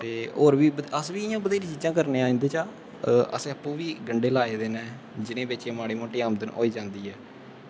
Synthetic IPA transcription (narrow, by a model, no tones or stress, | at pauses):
t̪eːoːɾʋiːbəəsʋiːɪjãːbəd̪eːɾiːt͡ʃiːd͡ʒãːkəɾnẽːãːnd̪eːt͡ʃaː | ə̰sẽːəpːũːʋiːɡəɳɖeːlaːeːd̪eːnɛ̃ː | d͡ʒɪnẽːbet͡ʃeːmaːɽiːmoːʈeːaːmd̪ənɦo̰ːiːd͡ʒãːnd̪iːɦɛː